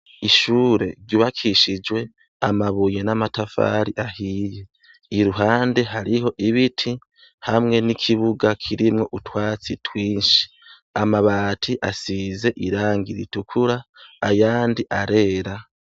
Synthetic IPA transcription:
iʃuɾe̞ɾɟuːβakʰiʃid͡ʒwe̞ | amaβuje̞namatafa̰ːɾiʔahije̞ | iɾuɦaːnde̞ɦaɾiho̞ʔiβitʰi | hamŋe̞nikʰiβuɡakʰiɾimŋo̞ʔutwaːt͡sitʰwiːnʃi̥ | amaβaːtʰiʔasize̞ʔiɾaːŋɡiɾḭtukʰuɾaːjaːndiʔaɾe̞ːɾa

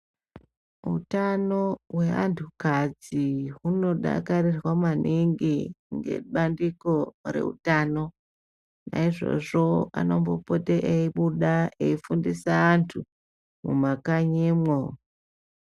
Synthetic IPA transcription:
ṵtano̞we̞antʰukad͡ziɦuno̞ɗa̰karirwamanʔiŋɡiŋɡe̞̰ɓandiko̞re̞̰ṵtaːno̞ | na̰iʐo̞̰ʐo̞a̰no̞mbopoteʔeiɓuɗaeifundisaːntʰu | mumakaɲemwo

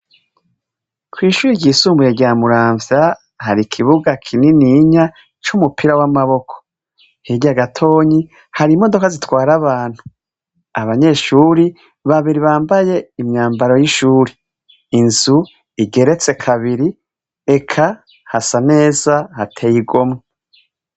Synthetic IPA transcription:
kwiːʃuːɾiɟɟiːsuːmbujeɟaːmuɾaːɱvja | haɾikʰiβuɡakʰininiɲa | t͡ʃumupʰiɾawamaβo̞kʰo̥ | heɟaɡatʰo̞ːɲi | haɾiːmo̞do̞kazitwaːɾaβaːn̥hu | aβaɲe̞ʃuːɾi | βaβiɾiβaːmbaje̞imɲaːmbaɾo̞jiʃuːɾiː | nzu | iɡe̞ɾe̞t͡se̞kʰaβiɾi | e̞kʰa | hasane̞ːzahatʰejiɡo̞mŋe

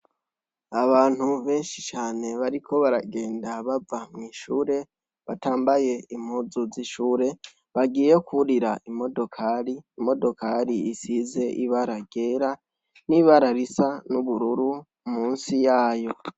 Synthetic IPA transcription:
aβaːn̥huβe̞ːnʃit͡ʃaːne̞βaɾikʰo̞βaɾaɡe̞ːndaβavamŋiːʃuːɾe̞ | βataːmbaje̞im̥huzuziʃuːɾe̞ | βaɡiːejokʰuɾiɾaʔimo̞do̞kʰaɾiːmo̞do̞kaɾiisize̞ʔiβaɾaɡ̥e̞ːɾa | niβaɾaɾisanuβuɾuɾu | muːnsijaːjo̞

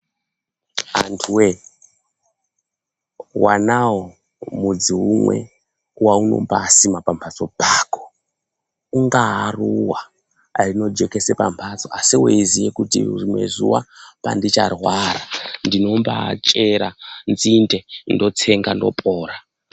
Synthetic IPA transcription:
antʰuwe | wanawo | mud͡ziɦumwe̞̰ | wauno̞̰mbaːsimapampʰat͡so̞paːko̥ | uŋɡaɦaruwa | rino̞d͡ʒe̞ke̞sepampʰat͡so̞asiweizijekutḭrimwe̞̰ʐṵwa̰pandit͡ʃarwaɾandino̞mbat͡ʃʼe̞ɾanzindendo̞t͡se̞ŋɡando̞̰pʼoːɾa

